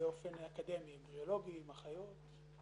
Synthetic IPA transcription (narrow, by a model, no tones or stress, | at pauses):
eofe̞nakad̪e̞mimʁiolo̞ɡiimaχajo̞t̪